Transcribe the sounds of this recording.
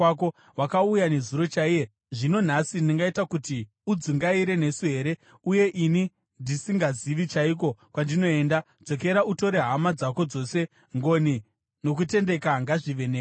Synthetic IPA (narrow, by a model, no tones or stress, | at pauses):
ko | wakaujane̞zuɾo̞t͡ʃaije | ʐino̞n̤asiniŋɡaitakuti | ud͡ziŋɡaiɾe̞ne̞suɦe̞ɾe̞ | uje̞ʔini | ndisiŋɡaziʋit͡ʃaiko̞kwandino̞e̞ːnda | d͡zo̞k̬e̞ɾauto̞ɾe̞ɦamad͡zako̞d͡zo̞se̞ | ŋɡo̞ni | no̞k̬ute̞nde̞kaŋɡaʐiʋe̞ne